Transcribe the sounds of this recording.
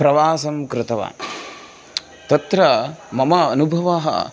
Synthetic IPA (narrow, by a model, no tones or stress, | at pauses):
pɾɐʋaːsɐmkɾɪt̪ɐʋa̰ː | t̪ɐt̪ɾɐmɐmɐːnubʱɐʋaːɦɐ̰